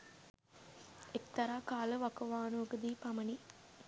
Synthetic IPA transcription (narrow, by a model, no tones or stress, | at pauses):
ek̚t̪ɐɾaːkaːlɐʋɐkɐʋaːnukɐd̪iːpɐmɐni